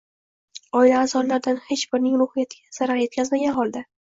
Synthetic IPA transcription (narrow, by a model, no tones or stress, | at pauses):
ɒɪlaːzɒllaɾd̪anhe̞t͡ʃbɪɾnɪŋɾʊhɨjat̪ʰɪɡʲaz̥aɾaɾje̞t̪̚kʲazmaɡʲanχɒlˠd̪a